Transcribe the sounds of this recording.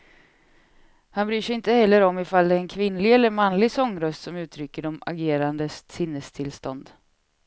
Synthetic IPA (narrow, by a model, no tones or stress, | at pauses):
hanbɾyːʂɛɪnt̪əhɛlːəɾɔmːɪfald̪ɛːnkʰvɪnlɪɡɛlːəɾmanlɪɡsɔŋːɾœst̪sɔmʉ̟ːt̪ʰɾʏkːəɖɔma̰ɡeːɾand̪əssɪnːəst̪ʰɪlst̪ɔnd̪